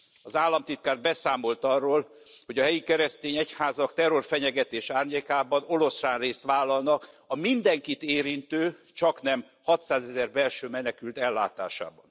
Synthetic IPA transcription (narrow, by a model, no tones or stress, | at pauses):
ɒzaːlːɒmt̪it̪kaːr̚bɛsaːmo̞lt̪ɒrːoːl | hoɟɒɦɛjikɛɾɛst̪eːɲɛchaːzɒkt̪ɛro̞rfɛɲɛɡɛt̪eːʃaːrɲeːkaːbɒno̞lo̞sraːnreːst̪ʋaːlːɒlnɒk | ɒmind̪ɛŋkit̪eːɾint̪øːt͡ʃɒknɛm | hɒt̪saːzɛzɛrbɛlʃøːmɛnɛkylt̪ɛlːa̰ːt̪a̰ːʃa̰ːbɒn